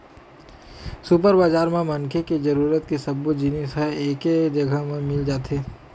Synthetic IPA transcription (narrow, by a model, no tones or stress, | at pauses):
sup̬əɾbaːd͡ʒaːɾmẽmɐnkʰeked͡ʒɐɾuːɾət̪kisɐbud͡ʒɪnisɦɛeːked͡ʒɐɡʱəmẽmɪld͡ʒaːt̪eː